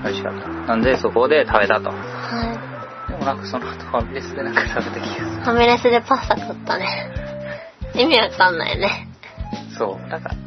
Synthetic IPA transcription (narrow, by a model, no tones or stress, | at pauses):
aɾɯɕi̥ka̰t̪ːḁnãnd̪e̞sokoːd̪e̞t̪ʰabe̞t̪at̪o̞̰ | hai | d̪e̞monãŋkɯ̥so̞noat̪oamʲiɾʲesɨd̪e̞nãŋkɯ̥t̪ʰabe̞t̪ekʲi̥ɡasamiɾesɨd̪e̞pãsakot̪ːane | imʲiβakḁkãnːa̰j̰one | so̰ːd̪aka̰